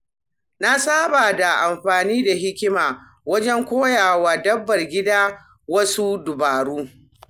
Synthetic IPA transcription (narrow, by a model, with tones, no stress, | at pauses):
na˦saː˦baː˨da˨ʔa˨mɸaː˨niː˦da˨ɦɪ˦kʲɪ˦maː˨ | wɐ˦d͡ʒɛ˦ŋkʷoː˦jaː˨waː˨dɐ˦bːɐ˨rɡʲɪ˦daː˦ | wɐ˦su˦dʊ˨baː˨ɽuː˦